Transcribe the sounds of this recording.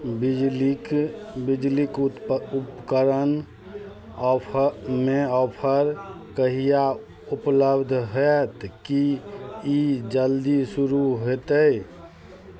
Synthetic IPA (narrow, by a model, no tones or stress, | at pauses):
b | bid͡ʒlikupkəɾən | meɔpʰəɾkəɦija | upləbd̪ʱɦɛt̪ki | id͡ʒəld̪isuɾuɦet̪əj